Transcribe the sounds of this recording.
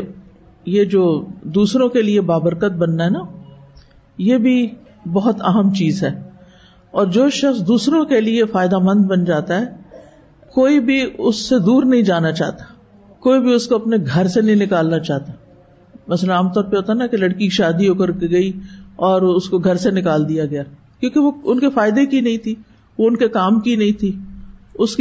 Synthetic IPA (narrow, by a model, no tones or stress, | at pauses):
jed͡ʒoːd̪uːsɾõkeliebaːbəɾkət̪̚bɐnːaɦɛːna | jeːbʱi | bɐɦʊt̪aɦəmt͡ʃiːzɦɛː | ɔːɾd͡ʒoːʃɐxsd̪uːsɾõkeliefaːɪd̪amɐ̃nd̪bɐnd͡ʒaːt̪aɦɛː | koːibʱiʊsːed̪uːɾnɐɦĩd͡ʒaːnat͡ʃa̰ːɦt̪ḁ | koːibʱiʊskoɐpneɡʱɐɾsenɐɦĩnɪkaːlnat͡ʃaːɦt̪a | mɐslə̃aːmt̪ɔːɾpeɦoːt̪anakelɐɽkiʃaːd̪ioːkəɾɡɐiɔːɾʊskoɡʱɐɾsenɪkaːld̪ijaɡɐjaː | kjõːkeʋoʊnkefaːɪd̪ekinɐɦĩt̪ʰi | ʋoʊnkekaːmkinɐɦĩt̪ʰiʊsk